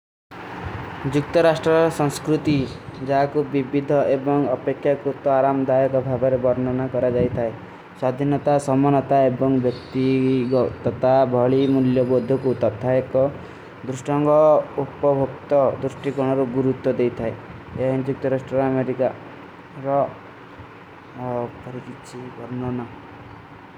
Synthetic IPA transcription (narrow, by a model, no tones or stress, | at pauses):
d͡ʒukt̪ɔɾasʈɾɔsɔ̃ŋskɾut̪id͡ʒaɦakubibid̪ʱɔʔebɔŋɔpekʰːjakɾut̪ɔaɾamd̪ajɔkɔbʱabɔɾebɔɾnɔnakɔɾad͡ʒajt̪ʰae | swad̪ʱinɔt̪asɔmɔnɔt̪aebɔŋbjɔkt̪iɡɔt̪ɔt̪abʱɔɭimuljɔbod̪ʱːɔkut̪ɔt̪ʰaekɔ | d̪ɾusʈɔŋɡɔuptɔbʱokt̪ɔd̪ɾusʈikɔɽ̃ɔɾuɡuɾut̪ːɔd̪ejt̪ʰaeeɦɔ̃nd͡ʒuk̚t̪ʰɔɾasʈɾɔɾameɾika | ɾɔ | kɔɾikit͡ʃʰibɔɾnɔna